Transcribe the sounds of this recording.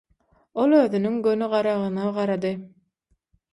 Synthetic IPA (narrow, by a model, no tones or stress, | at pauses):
o̞lˠøðynyŋɡønyʁɑɾɑʁɯnɑʁɑɾɑd̪ɯ